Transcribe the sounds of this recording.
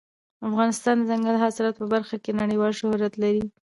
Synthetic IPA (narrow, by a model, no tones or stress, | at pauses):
afɣɑnɪst̪ɑnd̪əzaŋɡalɦɑsɪɾɑt̪̚pəbaɾxakenaɽəjwɑlʃʊhɾat̪laɾi